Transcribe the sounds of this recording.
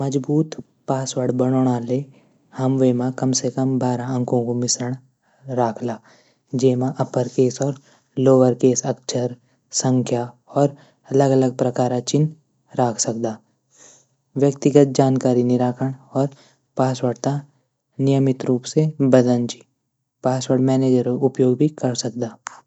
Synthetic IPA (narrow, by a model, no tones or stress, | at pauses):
mɐd͡ʒbuːt̪ | paːswəɽbɐɽ̃oːɽ̃ale | hɐmʋeːmãkɐmsekəmbaːɾaɐ̃ŋkʰõkomɪsɾəɽ̃ | ɾaːkʰlaː | d͡ʒeːmãʔɐpəɾkeːsɔːɾ | loːʋəɾkeːsɐk̚t͡ʃʰəɾ | sə̃ŋkʰja | ɔːɾ | ɐləɡɐləɡ̚pɾɐkaːɾat͡ʃɪn | ɾaːkʰsɐkd̪aː | ʋjəkt̪ɪɡət̪̚d͡ʒaːnkaːɾinɪɾaːkʰəɽ̃ɔːɾ | paːswəɽt̪a | nɪjəmɪt̪ɾuːpsebɐd̪ə̃nt͡ʃi̥ | paːswəɽmɛːneːd͡ʒəɾʊpjoːɡbʱikɐɾsɐk̚d̪aː